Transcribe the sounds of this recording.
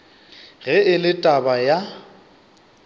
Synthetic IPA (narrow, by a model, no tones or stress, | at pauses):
ɣɛɪlɪtʼabaja